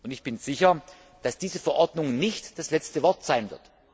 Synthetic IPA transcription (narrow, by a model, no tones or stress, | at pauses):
ʔʊntɪçb̥ɪnz̥ɪçɐ | d̥asd̥iːzəfɛɐʔɔɐdnʊŋnɪçtd̥aslɛt͡stəvɔɐtz̥aɪnvɪ̰ɐt